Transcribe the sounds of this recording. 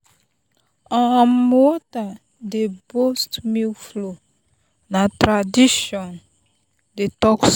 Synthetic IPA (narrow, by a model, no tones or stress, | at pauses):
ɔ̃ãmwɔta | debostmiflo | natɾadiʃɔ̃n | detɔks